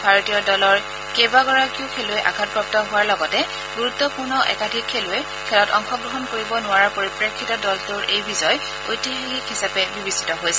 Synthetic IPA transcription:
bʱaɹotijɔdɔlɔɹ | kejbaɡɔɹakiʊkʰelʊɛʔa̰kʰat̚pɹɔp̚tɔɦʊwaɹlɔɡɔtɛ | ɡuɹutːɔpuɹnɔʔɛ̰kadʱikʰːeluɛ | kʰɛlɔtɔ̰ŋxɔɡɹɔɦɔnkoɹibɔnʊaɹaɹpoɹipɹekʰːitɔdɔltʊɹʔejbizɔj | o̰jtixelikɦisapɛbibisi̥tɔɦojsɛ

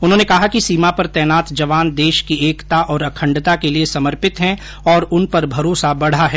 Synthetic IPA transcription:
ʊnɦõːnekɐɦakisiːmapɐɾt̪ɛːnaːt̪d͡ʒɐʋaːnd̪eːʃkieːkt̪aʔɔːɾɐkʰə̃ɳɖt̪akeliesɐməɾpɪt̪ɦɛ̃ | ɔːɾʊnpɐɾbʱɐɾoːsabɐɽ̤aɦɛː

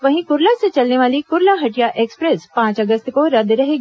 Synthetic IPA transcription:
ʋɐɦĩkʊɾlaset͡ʃɐlneʋaːlikʊɾlaɦɐʈijaʔekspɾespãːt͡ʃɐɡəst̪koɾɐd̪ɾɐɦeːɡ

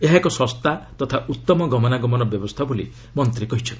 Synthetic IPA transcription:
eɦakɔsɔst̪at̪ɔt̪ʰaʔut̪ːɔmɔɡɔmɔnaɡɔmɔnɔbjɔbɔst̪ʰabuli | mɔnt̪ɾikɔɦit͡ʃʰɔnt̪i̥

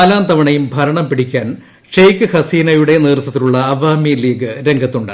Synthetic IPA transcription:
laːnt̪ɐʋɐɳɐjumbʱɐɾɐɳɐmpiɽikʲːaːn | ʂejkːɨhɐsiːnɐjuɽe̞niːrt̪ːɐt̪ːiluɭːɐːʋaːmiliːɡɨɾe̞ŋɡʱɐt̪ːuɳɖɨ̰

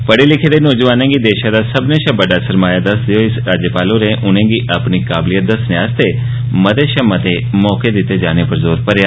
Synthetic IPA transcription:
pəɽelɪkʰed̪eːnɔːd͡ʒʋaːnẽːɡiːd̪eːʃãːd̪aːsəbneʃãbəɖaːsəɾmaːjad̪əsd̪eoːɪsɾaːd͡ʒjəpaːlõːɾẽːʔʊnẽːɡiːʔəpnikaːblijət̪̚d̪əsneaːst̪eː | mət̪eːʃə̃mət̪eːmɔːked̪ɪt̪ːeːd͡ʒaːnepəɾzoːɾpəɾjaː

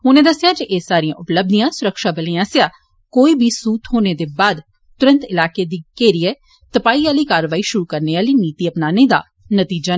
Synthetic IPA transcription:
ɦʊnẽːd̪əsjaːd͡ʒeʔeːsaːɾijãːʊpləb̚d̪ijãːsʊɾəkʃaːbəleːãːsjaː | koːiːbʱiːsuːt̪ɦoːneːd̪eːbaːd̪ | t̪ʊɾə̃nt̪ɪlaːkeːd̪iːkeːɾiɛ | t̪əpaːiːaːliːkaːɾʋaːiːʃʊɾuːkəɾneːaːliːniːt̪iːəpnaːneːd̪a̰ː | nət̪iːd͡ʒaː

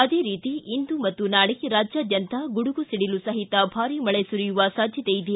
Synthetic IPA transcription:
ɐd̪eːɾiːt̪iind̪umɐt̪ːunaːɭiɾaːd͡ʒjaːd̪jɐnt̪ɐɡuɽuɡusiɽilusɐɦit̪ɐbʱaːɾimɐɭesuɾijuʋɐsaːd̪ʱjɐt̪ejid̪e

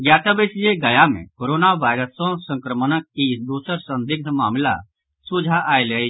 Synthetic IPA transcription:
ɡjaːt̪abesieɡəjamḛ̃koːɾoːnaʋaːɪɾəsõsə̃ŋkɾəmənəkːisd̪uːsəɾsə̃nd̪ɪɡ̚d̪ʱmaːmla̰ | sud͡ʒʱaʔaːile

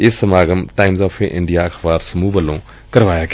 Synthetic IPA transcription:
isɐmaːɡɐmtajmzɔːpʰeʔḭɳɖijaɐkʰbaːɾsɐmuːbɐlõ | kɐɾʋaːjak

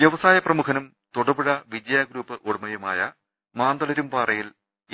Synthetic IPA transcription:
ʋjeʋɐsaːjɐprɐmukʰɐnɐm | t̪uɽɐbɨɻɐʋid͡ʑɐjaːɡɾuːpːɨʔoɽɐmɐjɐmaːjɐ | maːnd̪ɐlɐɾumpaːrɐjil

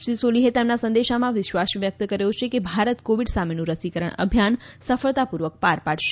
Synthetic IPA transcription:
ʃisoliɦet̪emnasə̃nd̪eʃamãʋɪʃʋasʋjək̚t̪kəɾejõt͡ʃʰekebʱaɾət̪koʋiɖsamenũɾəsikəɾəɳ̃ə̰bʱjansəfəɭt̪apuɾʋək̚paɾpaɽʃe̥

